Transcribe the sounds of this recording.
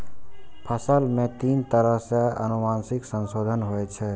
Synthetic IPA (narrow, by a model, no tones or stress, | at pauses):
pʰəsəlmet̪int̪əɾəɦseə̰numansiksənsod̪ʱənɦojt͡ʃʰɛ